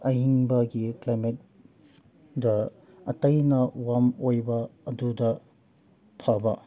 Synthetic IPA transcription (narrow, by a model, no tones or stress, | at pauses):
ɐɦiŋbɐɡiklajmet̚ | dɐ | ɐtɐjnɐwamojbɐːdudɐ | pʰabɐ̰